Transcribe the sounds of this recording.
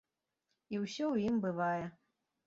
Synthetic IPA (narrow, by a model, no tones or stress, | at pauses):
iwsʲɔwjimbɨvajɛ